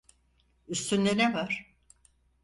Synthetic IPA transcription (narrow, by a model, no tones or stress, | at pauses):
yst̪ʰynd̪enɛvaɾ̥